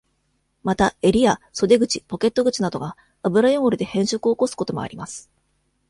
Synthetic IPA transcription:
mat̪ae̞ɾʲiaso̞d̪e̞ɡɯ̟t͡ɕipo̞ke̞t̪ːo̞ɡɯ̟t͡ɕinad̪o̞ɡa | abɯ̟ɾajoŋoɾɯ̟d̪e̞hẽ̞ɰ̃ɕokɯ̟oko̞sɨ̥ko̞t̪o̞mo̞̰a̰ɾʲimasɨ̥

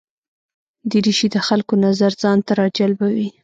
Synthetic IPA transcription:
d̪iɾiʃid̪əxalkonazaɾzɑnt̪aɾɑd͡ʒalbawi

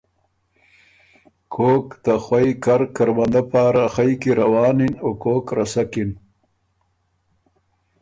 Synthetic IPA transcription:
kʰoːkt̪axwajkaɾkaɾwand̪apaːɾaxajkiɾawɑːninokoːkɾasakin

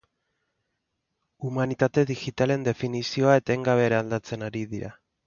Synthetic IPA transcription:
umanit̪at̪e̞ðixit̪ale̞nd̪e̞finisio̞ae̞t̪aeŋɡaβe̞ːɾaːld̪at͡se̞naɾiðiɾa

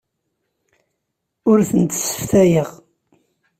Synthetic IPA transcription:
ʊɾθənt̪sːə̥fθæjəʁ

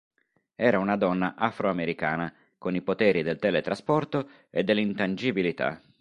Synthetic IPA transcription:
ɛːɾaunad̪ɔnːaʔafɾoameɾikaːna | konipot̪ɛːɾid̪elt̪ɛːlet̪ɾaspɔrt̪o | ḛd̪ːelːint̪and͡ʒibilit̪a̰

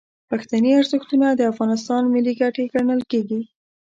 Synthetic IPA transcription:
paxt̪aneaɾzəxt̪unad̪əafɣɑnɪs̬t̪ɑnmɪlːiɡaʈeɡaɳəlkeɡi

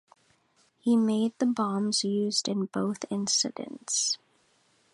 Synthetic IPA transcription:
himeɪd̪̚ðəbɑ̃mz̥jʉːzdɨ̃nboʊθɪ̃nsɨdɨ̰̃nts

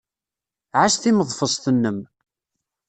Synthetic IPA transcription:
ʕaʃθiməðˤfəsˤt̪ənːəm

